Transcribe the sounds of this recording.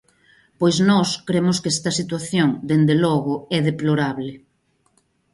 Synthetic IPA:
pojznɔskɾemʊskɛst̪ɐsit̪waθjoŋd̪end̪elɔɣʊɛðeploɾaβlɪ

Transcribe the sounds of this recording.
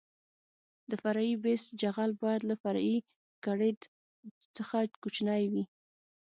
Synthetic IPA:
d̪əfaɾaibesd͡ʒaɣalbɑjad̪lafaɾi | kaɽed̪ | t͡səxakut͡ʃnajwi

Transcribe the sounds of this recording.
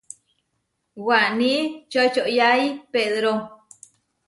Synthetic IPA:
waʔnĩt͡ʃojt͡ʃoʔjajpeðɾo

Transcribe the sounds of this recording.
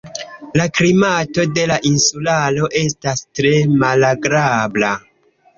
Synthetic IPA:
laklimato̞de̞laʔinsulalo̞ʔe̞stastɾe̞malaɡɾabla

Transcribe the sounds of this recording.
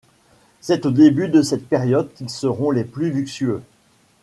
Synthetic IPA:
sɛt̪od̪ebyd̪əsɛt̪̚peʁjɔd̪̚kʲilsəʁɔ̃leplylyksyø

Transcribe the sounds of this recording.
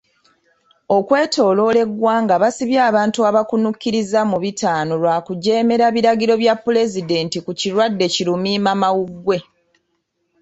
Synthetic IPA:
o̞kwe̞ːtʰo̞ːlo̞le̞ɡwaːŋɡaβasiβjaːβaːntuaβakunukːiɾizamuβitaːno̞lwaːkuɟe̞ːme̞ɾaβiɾaɡiɾo̞βjapːule̞zide̞ːntikuciɾwadːe̞cilumiːmamawuɡːwe̞

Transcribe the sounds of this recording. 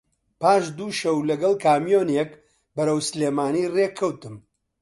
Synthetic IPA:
paːʃd̪uːʃɐwlɐɡɐlˠkʰaːmijoːnek | bɐɾɐwsleːmaːniːreːkʰːɐwt̪ɨm

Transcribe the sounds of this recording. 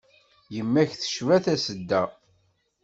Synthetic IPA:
jəmːæçθə̥ʃvæθæsəd̪ːæ

